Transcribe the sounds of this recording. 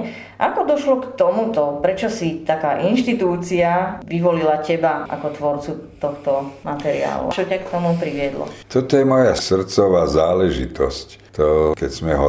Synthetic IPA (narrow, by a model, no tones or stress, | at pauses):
ʔakɔd̪ɔʃlɔkt̪ɔmut̪ɔpɾɛt͡ʃɔsit̪akaːʔinʃt̪it̪uːt͡siaʋiʋɔlilacɛbaʔa̰kɔt̪ʋɔɾt͡sut̪ɔxt̪ɔmat̪ɛɾḭa̰ːlṵt͡ʃɔcakt̪ɔmupɾiʋɪɛd̪lɔ̰t̪ɔt̪ɔjɛmɔjasr̩t͡sɔʋaːzaːlɛʒḭt̪ɔ̰sc | t̪ɔkɛɟsmɛɦɔ